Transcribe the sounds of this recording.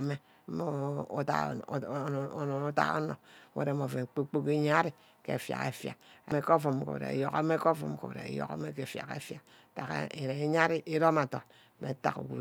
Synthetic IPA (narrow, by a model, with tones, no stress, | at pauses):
me˦ | mo˦ta˦˨˦n˨no˦ta̰˦o̰˦no˨˦wḛ˨ɾe˨˦mo˨ve˨k͡po˦k͡po˦ke˦ɲa˦ɾi˦˨ | kḛ˨fja̰˨kḛ˨fja̰˨e˨me˦ko˦fo˨m˨ko̰˨ɾḛ˨jo˦ka˦me˦ko˦fṵ˦mko̰˨ɾḛ˨jo̰˨ka̰˦me˦ke˨fja̰˨kḛ˦fja˨ | ta˨ka̰˨e˨ɾe˨i˦ɲa˦ɾi˦ʔi˦ɾo˦ma˨to˨ | mḛ˨˦ta̰˨kṵ˨ku˨